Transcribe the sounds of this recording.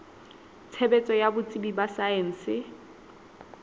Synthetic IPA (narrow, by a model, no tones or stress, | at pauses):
t͡sʰɛbɛt͡sʼɔjabʊt͡sʼibibasaen̩sɪ